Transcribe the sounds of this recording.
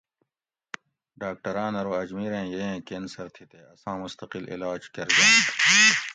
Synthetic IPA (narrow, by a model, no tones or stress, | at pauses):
ɖaːk̚ʈɐɾãːnɐɾoːɐd͡ʑmiːɾẽːjeẽːkensɐɾt̪ʰit̪eːɐsãːmʊst̪ɐqɪlʔḭlaːd͡ʑkɐɾɡɐː